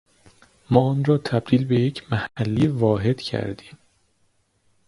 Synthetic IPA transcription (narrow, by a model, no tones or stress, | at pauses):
mɒːɒːnɾɒːt̪ʰæb̚d̪iːlbe̞jecʰmæhælːiːvɒːɦe̞d̪̥cʰæ̰ɾd̪iːm